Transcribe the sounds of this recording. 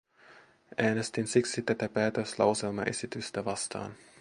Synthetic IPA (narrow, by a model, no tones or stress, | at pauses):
ʔæːnest̪insiksit̪æt̪æpæːt̪øslɑ̰wse̞lmɑ̰ʔe̞sit̪yst̪æʋɑst̪ɑ̰ːn